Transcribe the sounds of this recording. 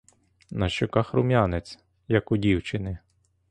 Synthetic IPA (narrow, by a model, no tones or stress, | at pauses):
nɐʃt͡ʃɔkɑxɾʊmʲjanet͡sʲ | jɐkʊdʲiwt͡ʃɪnɪ